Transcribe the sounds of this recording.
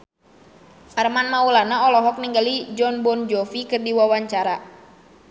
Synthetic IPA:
ʔarmanmaulanaɔlɔɦɔk̚niŋɡalid͡ʒɔnbɔnd͡ʒɔfikɨrdiwawaɲt͡ʃaɾa

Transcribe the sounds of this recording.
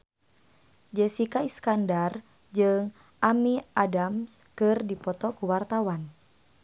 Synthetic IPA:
d͡ʒɛsikaiskandar | d͡ʒɨŋ | ʔamiʔadamskɨrdipɔt̪ɔkuwart̪awan

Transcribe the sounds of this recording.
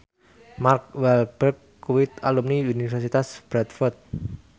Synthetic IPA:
mark̚wɛlb̥ərkː | uwɪt̪alumniunifɛrsit̪asb̥ɾɛt̪̚fɔrt̪̚

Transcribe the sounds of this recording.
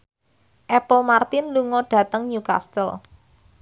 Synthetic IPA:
ʔɛpɔlmart̪ɪnluŋɔɖ̥ä̤t̪əŋɲuka̰st̪əl

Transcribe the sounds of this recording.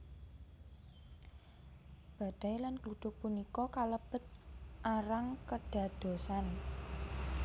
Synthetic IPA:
b̥a̤ɖ̥a̤jlanklut̪ʊk̚punikɔkaləb̥ə̤t̪̚ʔaɾaŋkəɖ̥a̤d̪̥o̤san

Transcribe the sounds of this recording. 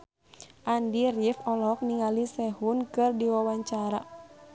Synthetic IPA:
ʔandirifɔlɔk̚niŋalisɛhunkɨrdiwawaɲt͡ʃaɾa̰

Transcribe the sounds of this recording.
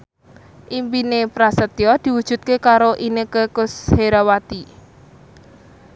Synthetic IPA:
ʔimpinepɾasət̪jɔd̪̥i̤wud̥ʒ̥ṳt̪̚kekaɾoʔinekəkʊsheɾawat̪i

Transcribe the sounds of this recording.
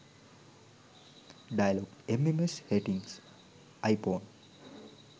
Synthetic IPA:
ɖajəloɡʈememesheʈĩŋs | ajpoːn

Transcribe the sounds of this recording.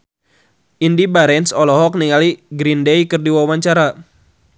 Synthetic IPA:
ʔindibaɾɛnsɔlɔɦɔk̚niŋaliɡɾindejkɨrdiwawaɲt͡ʃaɾa

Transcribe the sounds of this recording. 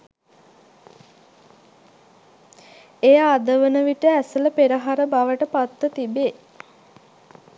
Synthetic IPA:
ejaːd̪əʋənəʋiʈəæsələpeɾəɦaɾəbaʋəʈəpat̪ːət̪ibeː

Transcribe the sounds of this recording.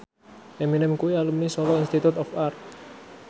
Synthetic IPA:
ʔeminɪmkuwialəmnisɔɾɔinst̪it̪ut̪ɔfart̪̚

